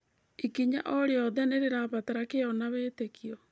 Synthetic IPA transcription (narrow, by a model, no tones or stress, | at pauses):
ikiɲa̰ʔɔɾeɔðɛneɾeɾaβataɾakeɔnaβeːtekʰiɔ